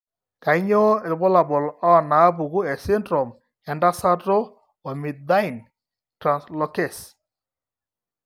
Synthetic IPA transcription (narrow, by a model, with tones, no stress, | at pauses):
ka˨i˦ɲɔ˦e˨lbɔ˦la˨bɔ˨lɔ˦ɔ˨na˨˦pu˨ɣu˦ɛ˨sɪ˦ndɾɔ˨m | ja˨nda˦sa˦tɔ˦ | ɔ˨mi˨d̪a˦i˨n | tɾa˨nslɔ˨kɛ˨s